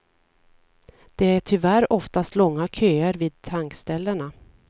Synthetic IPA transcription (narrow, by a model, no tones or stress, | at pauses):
d̪̥ɛæʈʰʏvæɾɔft̪ast̪lɔŋːakʰøːəɾviːd̪̚t̪ʰaŋkst̪ɛlːəɳa